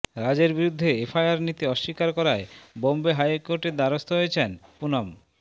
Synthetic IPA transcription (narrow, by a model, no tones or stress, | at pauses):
ɾad͡ʑeɾbiɾud̪ʱːeepʰajaɾnit̪iɔʃːikaɾkɔɾaebombeɦajkoɾʈed̪aɾost̪ʰoɦojet͡ɕʰenpunɔm